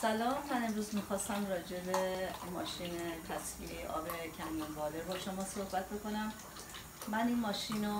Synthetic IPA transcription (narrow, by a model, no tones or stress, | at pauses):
sælɒːmːæne̞mɾuːzmixɒːst̪æmrɒːd͡ʒe̞bemɒ̰ːʃiːnet̪ʰæsfḭejeʔɒ̰ːbe̞cʰæmijinbɒːleɾbɒːʃo̞mɒːso̞hbæt̪̚be̞ko̞næmː | æniːnmɒːʃino